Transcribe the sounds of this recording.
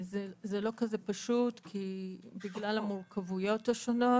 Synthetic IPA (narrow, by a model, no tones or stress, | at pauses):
zezelo̞kazepaʃutkʰibiɡlalamuʁkʰavujo̞thaʃono̞